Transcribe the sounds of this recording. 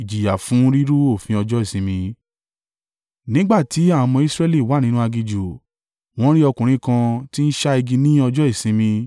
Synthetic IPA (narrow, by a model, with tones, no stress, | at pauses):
i˨d͡ʒi˨ja˨fũ˨˦ɾi˦ɾu˦o˦˨fĩ˧ɔ˧d͡ʒɔ˦i˦˨sĩ˧˦mĩ˧ | nĩ˦ɡ͡ba˦˨ti˨˦a˦˨mɔ̃˧i˦sɾɛ˦li˦˨wa˨˦nĩ˦nũ˦a˧ɡi˧d͡ʒu˨ | w̃ɔ̃˦ɾi˦ɔ˧kũ˨ɾ̃ĩ˦kã˧ti˦n̩˦ʃa˦i˧ɡi˧nĩ˦ɔ˧d͡ʒɔ˦i˦˨sĩ˧˦mĩ˧